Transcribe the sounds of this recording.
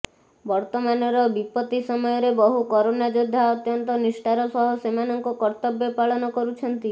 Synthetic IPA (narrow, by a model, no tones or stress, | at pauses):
bɔɾt̪ɔmanɔɾɔbipɔt̪isɔmɔjɔɾebɔɦukɔɾonad͡ʒod̪ʱːaɔt̪jɔnt̪ɔnisʈaɾɔsɔɦɔsemanɔŋkɔkɔɾt̪ɔbjɔpaɭɔnɔkɔɾut͡ʃʰɔnt̪i